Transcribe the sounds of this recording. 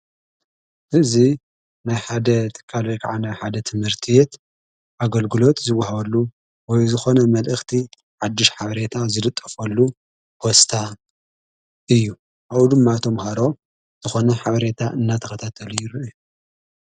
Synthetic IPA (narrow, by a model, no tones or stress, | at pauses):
ʔɨzi | najħad̪ɐt̪ʰɨ̥kʰːalojkʰa̰ʕanajħad̪ɐt̪ʰɨmhɨɾt̪ʰijet̪ | ʔaɡɐlɡɨlo̞t̪zɨwːaɦaβɐlːu | wɔjzɨxo̞nɐmɐlʔɨxt̪ʰi | ʕad̪ːɨʃħaβɐɾe̞t̪ʰazɨlɨt̪ʼːɐfɐlːu | hʰost̪ʰa | ɨjːu | ʔaβd̪ɨmːat̪ʰomhaɾo̞ | z̥ɨxo̞nɐħaβɐɾe̞t̪ʰaʔɨnːat̪ʰɐxɐt̪ʰat̪ʰɐlujɪɾɨʔɨju